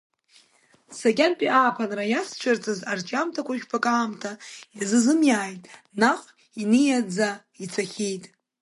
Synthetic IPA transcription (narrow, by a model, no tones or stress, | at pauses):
saɡʲʼanpʼiʔaːpʰanrajast͡ʃʷʰart͡sʼɨzart͡ʃʼamtʰakʷʰaʒᶣpʰakʼaːmtʰajazɨzɨmjaːjtʼ | naχʼ | inɨjad͡za | it͡sʰaχʲejtʼ